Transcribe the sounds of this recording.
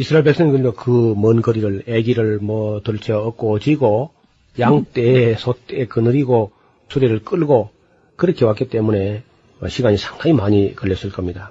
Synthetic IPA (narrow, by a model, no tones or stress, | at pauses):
isʰɯɾaeɭbe̞k̚s͈ʌŋikɯɲikokɯmʌnɡʌɾiɾɯɭeɡiɾɯɭmʌtoɭt͡ɕʰʌːk̚k͈ot͡ɕiɡo | jaŋt͈esʰot͈eekɯnɯɾiɡo | sʰuɾeɾɯɭk͈ɯɭɡo | kɯɾʌkʰe̞wak͈it͈e̞mune̞ | ʌɕʰiɡaɲisʰḁŋdaɲimaɲikʌɭːʌs͈ɯɭk͈ʌmɲida